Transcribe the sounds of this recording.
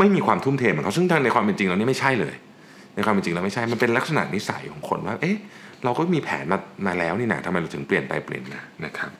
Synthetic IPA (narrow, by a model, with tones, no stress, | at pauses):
ma˥˩jmiː˧kʰwaː˧mt̪ʰu˥˩mt̪ʰeː˧mː˨˩˦kʰa˥sɯ˥˩ŋt̪ʰa˥˩ŋna˧jkwaː˧mpe˧nt͡ɕi˧ŋla˧wni˦˥ma˥˩jt͡ɕʰa˥˩jlɤ̰ː˧j | na˧jkʰwaː˧mpe˧nt͡ɕi˧ŋla˧wma˥˩jt͡ɕʰa˥˩jma˧npe˧nla˦˥k̚sa˧na̰˨˩ʔ̚ni˦˥sa̰˨˩˦jkʰɔː˩˦ŋkʰo̰˧nwaː˥˩ʔe˦˥ɾa˧wkɔː˥˩miː˧pʰɛː˩˦nmaː˧maː˧lɛː˦˥wniː˥˩na̰˦˥t̪ʰa˧ma˧ja˧wt̪ʰɯ˩˦ŋpli˨˩ənpa̰˧jpli˨˩ənːaː˧˩na˦˥kʰɾa˦˥p̚